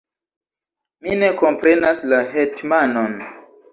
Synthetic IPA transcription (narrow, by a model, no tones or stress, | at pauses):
mine̞ko̞mpɾe̞naslaɦetmano̞n